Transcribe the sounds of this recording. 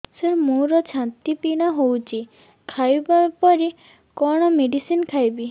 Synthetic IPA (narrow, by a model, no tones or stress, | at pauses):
semoɾɔt͡ʃʰant̪ipiɽ̃aɦowt͡ʃʰi | kʰajbapɔɾi | kɔɽ̃ɔmeɖisinkʰajbi